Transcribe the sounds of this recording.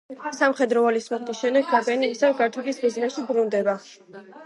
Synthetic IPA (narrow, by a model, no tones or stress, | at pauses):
samχɛd̪ɾɔalismuχt̪isʃɛmd̪ɛɡɡabɛniisɛvɡaɾt̪ʰulismiznɛsʃibɾund̪ɛba